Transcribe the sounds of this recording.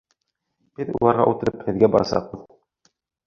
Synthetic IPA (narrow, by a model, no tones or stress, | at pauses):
b̥ɘðṵlˠɑɾʁɑ̰ʔut̪ɘ̆ɾɘphɘ̆ðɡæbɑɾɑsɑ̰q̚bɤð